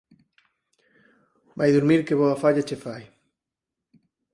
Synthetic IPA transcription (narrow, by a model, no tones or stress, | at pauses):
bajðuɾmiɾkeβɔafaʎat͡ʃefaj